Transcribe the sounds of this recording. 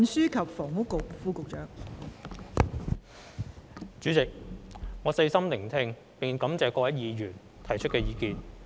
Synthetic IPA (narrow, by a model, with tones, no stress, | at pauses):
nsyː˥kʰɐ˨p̚fɔː˨˩ŋʊ˥kːʊ˨k̚fuː˧kʊ˨k̚t͡ʃœː˨˥ŋ | t͡syː˨˥t͡sɪ˨k̚ŋɔː˨˧sɐ˧jsɐ˥mnɪ˨˩ŋt̪ʰɪ˧ŋ | pɪ˨ŋ˨kɐ˨˥mt͡sɛː˨˧kɔː˧wɐ˦˥jiː˨jyː˨˩n | t̪ʰɐ˨˩jt͡ʃʰɵ˥t̚kɛː˧jiː˨˧kiː˧n